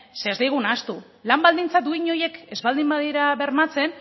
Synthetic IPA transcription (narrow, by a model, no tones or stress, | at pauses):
seazd̪ejɣunaːst̪u | lambald̪int͡sad̪uiɲo̞je̞ke̞zβald̪imbaðiɾaβe̞rmat͡se̞n